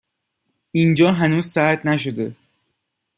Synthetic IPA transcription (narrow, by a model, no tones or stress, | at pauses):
ind͡ʒɒːɦænuːzsæɾd̪næʃ̬od̪e